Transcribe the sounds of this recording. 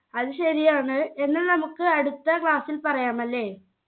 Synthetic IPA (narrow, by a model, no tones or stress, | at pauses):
ɐðɨɕɐɾijaːɳɨe̞nːɐlnɐmukːɨɐɽut̪ːɐkɭaːsːilpɐrɐjaːmɐlːe̞ː